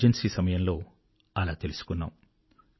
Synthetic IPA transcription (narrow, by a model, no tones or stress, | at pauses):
d͡ʒensiːsɐmɐjɐmlo̞ː | ɐlaːt̪e̞lusu̥kunːa̰ːm